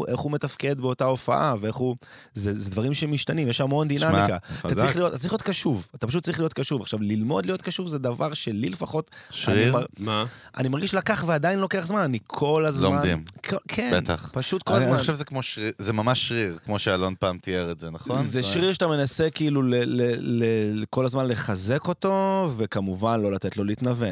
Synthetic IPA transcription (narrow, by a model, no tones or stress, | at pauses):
ʔeχhume̞t̪afke̞d̪beo̞tao̞fa̰ʔavee̞χu | zezed̪vaʁimʃemiʃtanimjeʃamo̞nd̪inamikaaaʁiχliot̪atat͡saʁiχlijot̪kaʃuvatḁpaʃut̚t͡saʁiχlijot̚kaʃuvaχʃavlilmo̞d̪lijo̞t̪kaʃuvzed̪avaʁʃelilefaχo̞t̪ʃaʁimmaʔa̰nimaʁɡiʃlakaχveadainlo̞ke̞aχzmananikʰo̞lazlommand̪ḭmokʰebet̪a̰χpaʃut̪̚kolaaaʃevzekmoʃʁizemamaʃːʁiʁkmo̞ʃealonpaːmt̪ieʁezenaχonzeʃʁiʁʃat̪ame̞nasekiiluleleleko̞lazmanleχazeko̞to̞vekamuvanlo̞lat̪etlo̞liit̪naven